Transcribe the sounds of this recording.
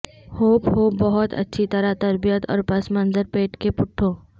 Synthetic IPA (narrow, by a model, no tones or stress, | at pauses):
hoːphoːbɐɦʊt̪ʰɐ̰tːʃʰit̪ɐɾat̪ɐɾbijət̪ɔ̰ːɾpɐsmɐnzəɾpeːʈkepʊʈʰːoː